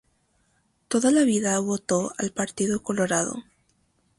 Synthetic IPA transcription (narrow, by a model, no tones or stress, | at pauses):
t̪oðalaβiðaβo̞t̪o̞a̰lpaɾt̪iðoko̞loɾaðo̰